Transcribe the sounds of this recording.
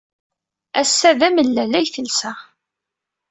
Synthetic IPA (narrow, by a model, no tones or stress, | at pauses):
æsːæðæməlːælæjθəlsæ